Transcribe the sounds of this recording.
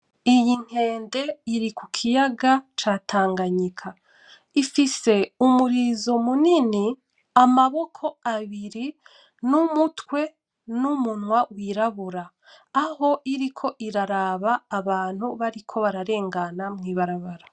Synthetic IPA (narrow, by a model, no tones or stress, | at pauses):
ijiŋ̥e̞ːnde̞iɾikukʰijaɡat͡ʃaːtʰaːŋɡaɲikʰa | ifise̞umuɾizo̞munini | amaβo̞kʰo̞aβiɾi | numutwe̞ | numunwawiɾaβuɾaː | ho̞ʔiɾikʰo̞ʔiɾaɾaβaːβaːn̥huβaɾikʰo̞βaɾaɾe̞ːŋɡanamŋiːβaɾaβaɾa